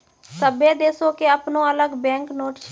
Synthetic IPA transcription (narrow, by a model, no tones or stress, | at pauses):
səbeːd̪eːsoːkeːəpnõːələɡbɛ̃ːŋknoːʈt͡ʃ